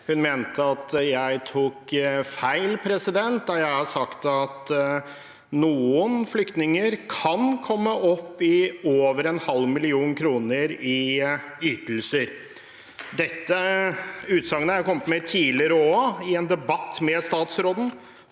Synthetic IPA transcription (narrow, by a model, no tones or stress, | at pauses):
hʉnmeːnt̪ʰəɑt̪jæɪt̪ʰuːkfæɪlpʰɾɛsɪd̪ɛnt̪̚d̪ɑjæɪhɑʂɑkt̪ɑt̪ | nuːənflʏkt̪nɪŋəɾkʰɑnkʰɔmːəʔɔpːɪoːʋəɾɛnhɑlmɪlɪuːnkʰɾuːnəɾɪ | yːt̪l̩səɾ | d̪ɛt̪ːə | ʉːt̪sɑŋənəæɾkʰɔmːət̪mɛt̪ʰiːlɪəɾəoːɪɛnd̪ɛbɑt̪ːmɛst̪ɑːt̪sɾoːd̪n̩